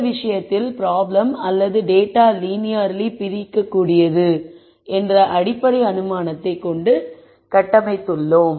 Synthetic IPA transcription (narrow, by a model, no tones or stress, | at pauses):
ʋɪʂɐjɐt̪ːɪlpɪɾaːblɐmɐlːɐðɯɖeːʈːaːliːnɪjaɾlipɪɾɪkːɐkːuːɽɪjɐðɯ | ɛndrɐʔɐɽɪpːɐɽɐɪɐnɯmaːnɐt̪ːɐɪkːɔɳɖɯ | kɐʈːɐmɐɪt̪ːɯɭːʊm